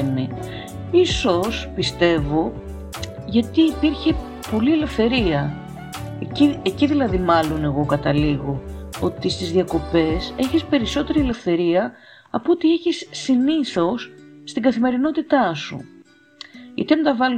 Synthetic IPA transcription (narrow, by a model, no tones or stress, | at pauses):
ni | iso̞spist̪e̞vo̞ | ʝɐt̪iːpiɾçe̞ | po̞lie̞le̞fθe̞ɾiɐ | ieciðilɐðimɐlo̞ne̞ɣo̞kɐt̪ɐliɣo̞o̞t̪ist̪izðiɐko̞pe̞se̞çispe̞ɾiso̞t̪e̞ɾiele̞fθe̞ɾiɐ | ɐpuot̪ie̞çisːiniθo̞sːt̪iɡɐθime̞ɾino̞t̪it̪ɐsṵ | ḭt̪ent̪ɐvɐl